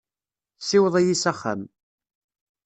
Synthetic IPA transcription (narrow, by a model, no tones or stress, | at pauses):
sːɪwəðˤæjisæχːa̰m